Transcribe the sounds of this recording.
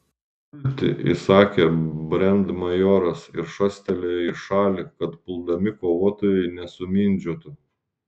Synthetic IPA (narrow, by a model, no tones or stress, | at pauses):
t̪ʲɪ̰ʔɪ̰sɑːkʲebʲɾʲɛnd̪mɐjoːɾɐsɪɾʃɐsʲt̪ʲɛlʲɛɪʃɑːlʲɪkɐt̪pʊlˠd̪ɐmʲɪkoːʋuɔt̪oːjɛɪnʲɛsʊmʲiːnʲd͡ʒʲuɔt̪ʊ